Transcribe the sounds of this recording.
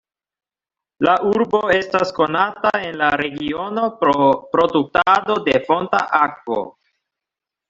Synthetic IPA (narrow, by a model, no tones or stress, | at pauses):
laʔuɾbo̞e̞stasko̞natae̞nlaɾe̞ɡio̞no̞pɾo̞duk̚tado̞de̞fo̞nta̰ʔakvo̞̰